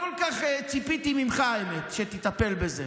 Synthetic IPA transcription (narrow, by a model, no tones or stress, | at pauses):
kolkaχet͡sipit̪imimχaemet̪ʃet̪it̪ape̞lbeze